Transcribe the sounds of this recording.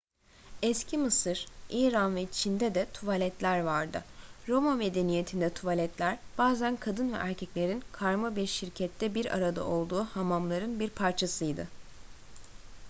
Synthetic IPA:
ɛscʰimɯsɯɾ̥iːɾanvɛt͡ʃʰind̪ɛd̪ɛt̪ʰuvalʲɛt̪lʲæɾvaɾd̪ɯɾo̞mame̞d̪e̞nijet̪ʰind̪ɛt̪ʰuvalʲɛt̪lʲæɾb̥aːzænkʰad̪ɯnvɛ̰ʔæɾcʰɛclʲe̞ɾinkʰaɾmabiɾʃiɾcʰɛt̪ʰːɛbiɾa̰ɾad̪a̰ʔo̞lˠd̪uːhamamlˠaɾɯnbiɾpʰaɾt͡ʃʰasɯjd̪ɯ̰

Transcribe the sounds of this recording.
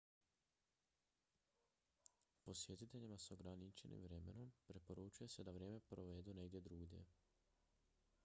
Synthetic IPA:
po̞sje̞t̪it̪e̞ʎimaso̞ɡɾanit͡ʃe̞nḭmʋɾe̞me̞̰nompɾepo̞ɾut͡ʃuje̞se̞d̪aʋɾje̞ːme̞pɾoʋe̞d̪une̞ɡd̪ʲjed̪ɾuɡd̪ʲje̞̰

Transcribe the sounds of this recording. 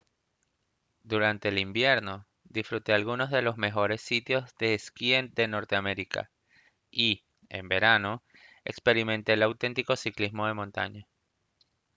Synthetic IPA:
d̪uɾant̪e̞ːlimbje̞ɾno̞ | d̪isfɾut̪e̞alɣuno̞zðe̞lo̞zme̞xo̞ɾe̞sːit̪jo̞zðeːskiend̪e̞no̞ɾt̪eame̞ɾika̰ | i | ḛmbe̞ɾano̞ | e̞̰kspe̞ɾiment̪e̞lawt̪e̞nt̪iko̞siklizmo̞ðe̞mõnt̪a̰ɲa

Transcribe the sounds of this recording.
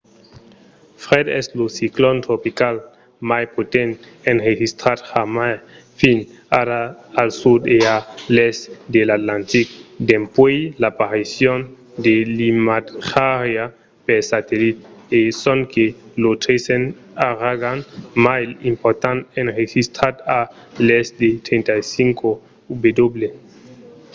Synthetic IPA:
fʁed̪ɛslosiklont̪ɾopikal | majpot̪ent̪ | enrexist̪ɾaɾxamaj | finaɾaːlsud̪ealestd̪elat̪lant̪ik̚d̪empwejlapaɾisjon | d̪elimat̪xaɾja | peɾsat̪elit̪̚esoŋkelot̪ɾesen | aɾaɡanmajlimpoɾt̪anenʁexist̪ɾat̪a | lesd̪et̪ɾent̪ajsiŋko | ubed̪oble

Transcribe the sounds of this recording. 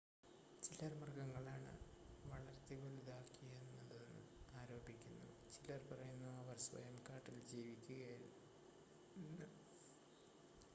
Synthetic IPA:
t͡ɕilɐrmɐrɡɐŋːɐɭaːɳɨ̰ʋɐɭɐɾt̪ːebolud̪aːkːijenːɐðɨnɨ̰aːɾo̞ːbʱikʲːunːɐ̰ðɨ̰t͡ɕilɐrpɐrɐjunːɐɐʋɐrswɐ̰jɐmkaːʈːild͡ʑiːʋikʲːuɣɐjil | nːɨ

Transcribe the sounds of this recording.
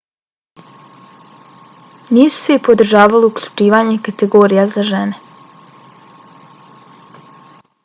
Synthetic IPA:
niːsu̥seipo̞d̪r̩ʒaːʋaliukʎʲu̥t͡ʃiːʋaɲe̞kat̪eɡo̞ːɾijazaʒene

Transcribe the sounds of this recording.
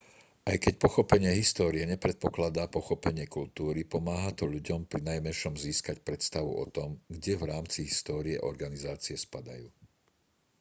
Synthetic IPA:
ʔajkɛcpɔxɔpɛɲɪɛɦist̪ɔːɾiɛɲɛpɾɛt̪̚pɔklad̪apɔxɔpɛɲɪɛkult̪uːɾipɔmaːɦat̪ɔʎuɟɔmpɾinajmɛnʃɔmziːskacpɾɛt̪st̪aʋṵʔɔ̰t̪ɔmɡɟɛʋɾaːmt͡siɦist̪ɔːɾiɛ̰ʔɔɾɡanizaːt͡siɛspad̪a̰juː

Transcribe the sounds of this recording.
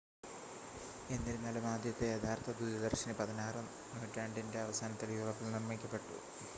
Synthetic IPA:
e̞nːilunːalumaːd̪ʱjɐt̪ːejɐd̪ʱaːrt̪ʰɐd̪udɐd̪ɐrɕɐnɨpɐðɐnaːrɨ | noːʈːaːɳɖinde̞ɐʋɐsaːnɐt̪ːiljuːʋɐpːilnirmikʲːɐpːe̞ʈːṵ

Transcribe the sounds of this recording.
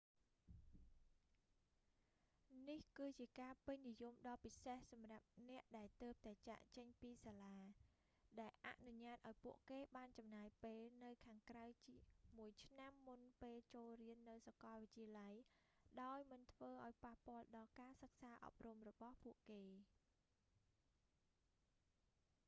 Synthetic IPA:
nihkɨːt͡ɕiəkaːpɨɲnijumɗɑːpisehsɑmrap̚nɛ̆əʔɗaɛlt̪əːp̚t̪aɛt͡ɕa̰ʔt͡ɕəɲpiːsaːlaː | ɗaɛlʔa̰ʔnuɲaːt̪̚ʔaɔjpuəʔkeːɓaːnt͡ɕɑmnaːjpeːlnɨwkʰaːŋkrawt͡ɕimuəjt͡ɕʰnamːunpeːlt͡ɕoːlriənːɨwsakɑlʋɨc̚t͡ɕiəlaj | ɗaɔjmɨnt̪ʰʋəːʔaɔjpahpŏəlɗɑlkaːsək̚saːʔɑ̰p̚rumrɔɓɑhpuəʔkeː

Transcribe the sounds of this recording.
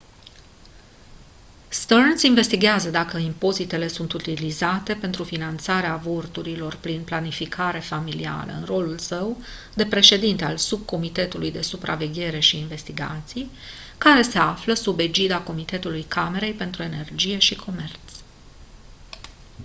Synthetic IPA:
st̪ərnsinve̞st̪iɡʲeazəd̪akəimpo̞zit̪e̞le̞sunt̪ut̪ilizat̪e̞pe̞nt̪ɾufinant̪saɾeavo̞rt̪uɾilo̞rpɾinplanifikʰaɾe̞familia̰lə̰ɨ̰nro̞lulsəw | d̪e̞pɾe̞ʃe̞d̪int̪ealsub̚ko̞mit̪e̞t̪ulujd̪e̞supɾa̰ve̞ɡʲe̞ɾe̞ʃiːnve̞st̪iɡa̰t̪sij | kaɾe̞se̞afləsube̞d͡ʒid̪ako̞mit̪e̞t̪ulujkame̞ɾe̞jpe̞nt̪ɾue̞ne̞rd͡ʒije̞ʃikʰo̞me̞rt̪s

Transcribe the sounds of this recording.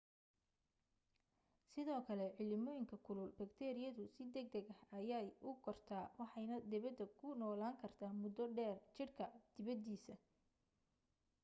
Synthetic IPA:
sɪðɔːkʰɐlɛʕɪlɪmɔːjɪŋkʰɐkʰʊlʊlbɐkt̪ʰɛːɾɪjɐðʊsɪd̪ɛɡ̚d̪ɛɡɐhɐjaːjʔʊɡʰɔrt̪ʰaːwɑħɑjnɐd̪ɪβɐd̪ːɐkʰʊnɔːlaːŋkʰɐrt̪ʰaːmʊd̪ɔɖɛːrt͡ʃɪrkʰɐd̪̥ɪβɐd̪iːsɐ

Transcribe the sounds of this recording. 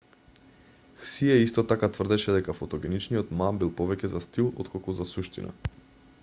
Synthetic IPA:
xsiɛist̪ɔt̪akat̪vr̩d̪ɛʃɛd̪ɛkafɔt̪ɔɡɛnit͡ʃniɔt̪mambilˠpɔvɛcɛzast̪ilˠɔ̰t̪kʰɔlˠkuzasuʃt̪ḭna̰

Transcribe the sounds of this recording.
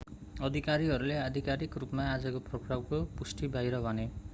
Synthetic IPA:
ɔd̪ʱikaɾiɦʌɾulead̪ʱikaɾikɾupɔmaːd͡ʒɔkopɾɔkrawkopusʈibajɾʌbane

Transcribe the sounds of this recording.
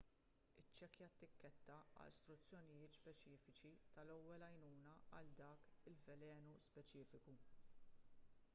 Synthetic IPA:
ɪt͡ʃːɛkjɐt̪ːɪkːɛt̪ːɐɐ̰lst̪ɾʊt͡sːjɔnɪjɪːt̪spɛt͡ʃɪːfɪt͡ʃit̪ɐlɔwːɛlɐjnuːnɐɐld̪ɐːkɪlvɛlɛːnuspɛt͡ʃɪːfɪku

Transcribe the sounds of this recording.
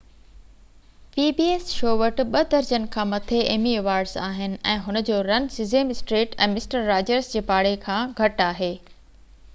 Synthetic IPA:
piːbiːesʃoːʋɐʈ̆ɓɐd̪ɐɾd͡ʑənɪ̆kʰãːmɐt̪ʰeeːmieʋaːɾɖzaːɦɪnɪ̆ɛ̃ːɦʊnə̆d͡ʑoːɾɐnsɪzeːmɪsʈɾeːʈɛ̰̃ːmɪsʈəɾːaːd͡ʑəɾzd͡ʑeːpaːɽekʰãːɡʱɐʈaːɦeː

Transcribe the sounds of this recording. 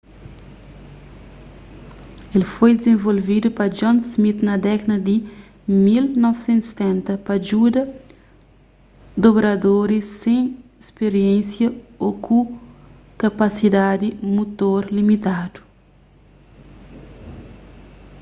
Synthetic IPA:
elfojd̪ezẽvolvid̪upɐd͡ʒɔ̃nsmit̪nɐd̪ɛkɐdɐd̪i | milnɔvsẽnt̪use̥t̪ɛ̃nt̪ɐpɐd͡ʒud̪ɐ | d̪obɾɐd̪oɾisːẽespeɾiẽsjɐokũ | kapasid̪ad̪imut̪oɾlimit̪ad̪u̥

